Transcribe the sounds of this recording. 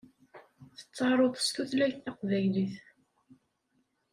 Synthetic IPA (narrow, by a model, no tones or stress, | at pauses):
θə̥t͡sːɑɾˤoðˤə̥st̪uθlæçθɑqvæjliθ